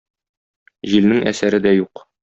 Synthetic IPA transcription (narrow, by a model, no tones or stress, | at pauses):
ʑilnɘŋʔæ̰sæɾɘd̪æjuq